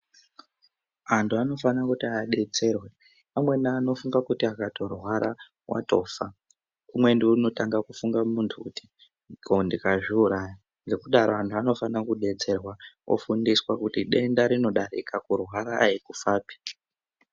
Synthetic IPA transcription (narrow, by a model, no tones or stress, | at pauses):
antʰuano̞fanakutiaɗe̞d͡ze̞rwe | pamwe̞naːno̞fuŋɡakutiakato̞rwaɾa | wʔa̰to̞ːfa | umwe̞ndeuno̞taŋɡakufuŋɡamuntʰukuti | kondikaʐiuɾaja | ŋɡe̞kuɗaɾoantʰuano̞fanakuɗe̞d͡ze̞rwawʔo̰fundiswakutiɗe̞ndaɾino̞ɗaɾḭkakurwaɾaːikufaːpi̥